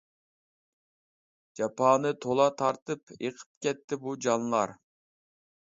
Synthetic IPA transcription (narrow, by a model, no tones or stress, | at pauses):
d͡ʒɑpʰɑːnɨt̪ʰolˠɑt̪ʰɑɾt̪ɨpeqʰə̥p̚kʲɛt̪ʰːɪbud͡ʒɑnlˠɑɾ